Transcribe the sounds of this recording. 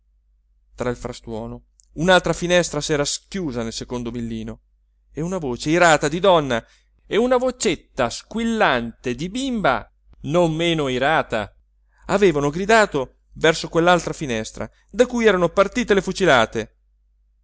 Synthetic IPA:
t̪ɾailfɾast̪wɔːno | unalt̪ɾafinɛst̪ɾasɛːɾaskjuːzanelsekond̪obilːiːno | eunavoːt͡ʃeiɾaːt̪ad̪id̪ɔnːa | eunavot͡ʃet̪ːaskwilːant̪ed̪ibimba̰ | nomːeːnoiɾaːt̪a̰ | aveːvanoɡɾid̪aːt̪o | vɛrsokwelːalt̪ɾafinɛst̪ɾa̰ | d̪akujɛːɾanopart̪iːt̪elefut͡ʃilaːt̪e

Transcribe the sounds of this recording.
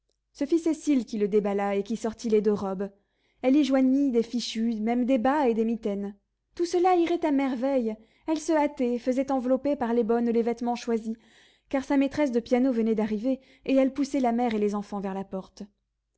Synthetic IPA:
səfisesilkʲiləd̪ebalaekʲisɔʁt̪iled̪øʁɔb | ɛliʒwaɲid̪efiʃymɛmd̪ebaed̪emit̪ɛn | t̪usəlaiʁɛt̪amɛʁvɛj | ɛlsəat̪ɛfəzɛt̪ɑ̃vlɔpepaʁlebɔnlevɛt̪mɑ̃ʃwazi | kaʁsamet̪χɛs̬d̪əpjanovənɛd̪aʁiveː | ɛlpusɛlamɛʁelezɑ̃fɑ̃vɛʁlapɔʁt̪

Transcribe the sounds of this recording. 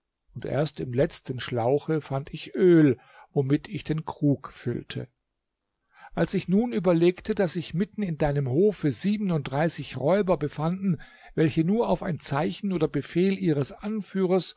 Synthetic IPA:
ʔʊntʔḛːɐstɪmlɛt͡stən̩ʃlaʊxəfantʰɪçʔøːl | vomɪtʰɪçd̥eːnkʁ̥uːkfʏ̰ltʰə̰ | ʔalsɪçnuːnyːbɐleːktʰədasz̥ɪçmɪtn̩ɪndaɪnəmhoːfəziːbənʊnt̚d̥ʁaɪsɪçʁɔʏbɐbəfandn̩ | vɛlçənuːɐaʊfa̰ɪnt͡saɪçn̩oːdɐbəfeːlʔiːʁ̞əsʔanfyːʁ̞ɐs

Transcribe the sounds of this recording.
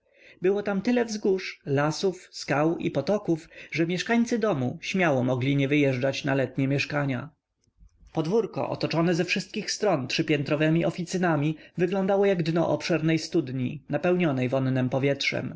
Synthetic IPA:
bɘwɔt̪amt̪ɘlɛvzɡuʂlasufskawḭpɔt̪ɔkufʐɛmʲjɛʂkaɲt̪sɘd̪ɔmuɕmʲjawɔmɔɡlʲiɲɛvɘjɛʐd͡ʐat͡ɕnalɛt̪ɲɛmʲjɛʂkaɲa̰ | pɔd̪vuɾkɔ̰ʔɔ̰t̪ɔt͡ʂɔnɛzɛfʂɘst̪̚kʲixst̪ɾɔntʂɘpʲjɛnt̪ɾɔvɛmʲiʔɔfʲit̪sɘnamʲivɘɡlɔnd̪awɔjaɡd̪nɔ̰ʔɔpʂɛɾnɛjst̪ud̪ɲinapɛwɲɔnɛjvɔnːɛmpɔvʲjɛtʂɛ̰m

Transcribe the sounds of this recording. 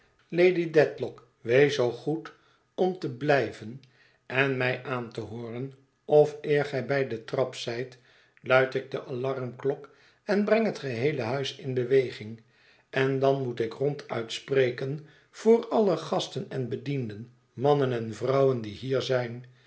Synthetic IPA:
lejdidɛtlɔk | ʋejsowχut | ɔmtəblɛjvən | ʔɛnmɛjʔaːntəɦʊːrən | ɔfɪːɹχɛjbɛjdətrɑpsɛjt | lœɥtɪk̚dəʔɑlɑrmklɔk | ɛnbrɛŋɦətχəɦejləɦœɥsɪnbəʋejχɪŋ | ʔɛndɑnmutɪkrɔntʰœ̰ɥtsprejkən | v̥ʊːrɑləχɑstənɛnbədindən | mɑnənɛnvrɑwəndiɦiːɹzɛjn

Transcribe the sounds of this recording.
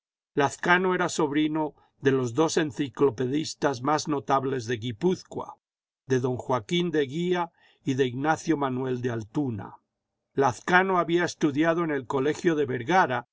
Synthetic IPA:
laθkanoe̞ɾaso̞βɾino | ðe̞lo̞zðo̞se̞nθiklo̞pe̞ðist̪azmazno̞t̪aβle̞zðe̞ɣipuθkwa̰ | ðe̞ðo̞ŋxwakind̪e̞ɣia | iðeiɣnaθjomanwe̞ld̪ealt̪una̰ | laθkanoaβiaest̪uðjaðo̞ene̞lkole̞xjoðe̞βeɾɣaɾa

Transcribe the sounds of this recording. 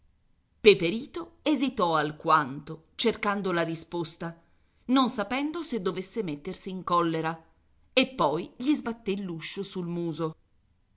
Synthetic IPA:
pepeɾiːt̪oezit̪ɔalkwant̪o | t͡ʃerkand̪olaɾispost̪a | nonsapɛnd̪osed̪ːovesːemet̪ːersiːŋkɔlːeɾa | epːɔjʎizbat̪ːelːuʃːosulmuːzo

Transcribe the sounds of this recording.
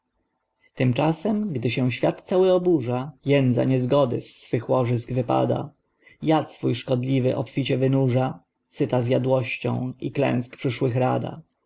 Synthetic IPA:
t̪ɘmt͡ʂasɛmɡd̪ɘɕɛ̃w̃ɕfʲjat̪t̪sawɘɔbuʐajɛnd̪za̰ɲɛzɡɔd̪ɘ̰sːfɘxwɔʐɘzɡvɘpa̰d̪a̰ | jat̪sfujʂkɔd̪lʲivɘʔɔpfʲit͡ɕɛvɘnuʐa | sɘt̪azjad̪wɔɕt͡ɕɔ̰̃w̃iklɛ̰̃w̃skpʂɘʂwɘxɾa̰d̪a̰

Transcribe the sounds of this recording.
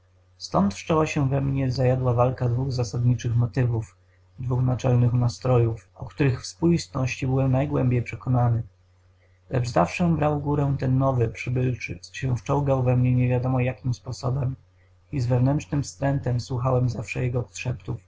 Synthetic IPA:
st̪ɔnt̪ʂt͡ʂɛwaɕɛvɛmɲɛzajad̪wavalkad̪vuɣzasad̪ɲit͡ʂɘxmɔt̪ɘvuf | d̪vuxnat͡ʂɛlnɘxnast̪ɾɔjufʔɔ̰kt̪uɾɘxfspujist̪nɔɕt͡ɕibɘwɛmnajɡwɛmbʲjejpʂɛkɔnanɘ | lɛd͡ʐza̰fʂɛbɾawɡuɾɛ̃t̪ɛnːɔvɘpʂɘbɘlt͡ʂɘ̰sɕɛ̃ft͡ʂɔ̃w̃ɡawvɛmɲɛɲɛvʲjad̪ɔmɔjakʲimspɔsɔ̰bɛm | izvɛvnɛntt͡ʂnɘmfst̪ɾɛnt̪ɛmswuxawɛmzafʂɛ̰jɛɡɔɔt̪ʂɛpt̪uf

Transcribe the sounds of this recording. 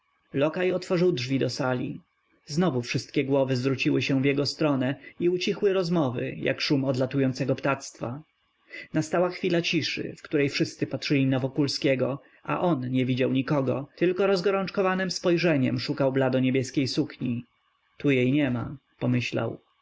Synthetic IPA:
lɔkajɔt̪fɔʐɘwdʐvʲid̪ɔsalʲḭ | znɔvufʂɘst̪kʲɛɡwɔvɘzvɾut͡ɕiwɘɕɛ̃vʲjɛɡɔst̪ɾɔnɛiut͡ɕixwɘɾɔzmɔvɘ̰jʔa̰kʂumɔd̪lat̪ujɔnsɛɡɔpt̪at̪st̪fa | nast̪awaxfʲilat͡ɕiʂɘ̰fkt̪uɾɛjfʂɘst̪sɘpatʂɘlʲinavɔkulskʲɛɡɔ | ʔa̰ʔɔnɲɛvʲid͡ʑawɲikɔɡɔ̰t̪ɘlkɔɾɔzɡɔɾɔnt͡ʂkɔvanɛmspɔjʐɛɲɛmʂukawblad̪ɔɲebʲjɛskʲejsukɲi | t̪ujejɲɛma̰pɔmɘɕla̰w

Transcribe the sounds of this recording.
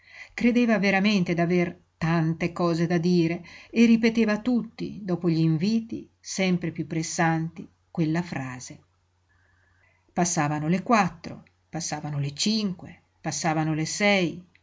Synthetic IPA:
kɾed̪eːvaveɾament̪ed̪aver | t̪ant̪ekɔːzed̪ad̪iːɾeerːipet̪eːvat̪ut̪ːḭd̪ɔːpoʎiːɱviːt̪ḭ | sɛmpɾepjupːɾesːant̪i | kwelːafɾaːz̥e | pasːaːvanolekwat̪ːɾo̰ | pasːaːvanolet͡ʃiŋkwḛ | pasːaːvanolesɛj

